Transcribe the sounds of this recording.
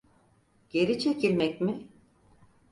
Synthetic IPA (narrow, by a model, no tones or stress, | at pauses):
ɟ̥e̞ɾit͡ʃʰe̞cʰilʲmɛcmi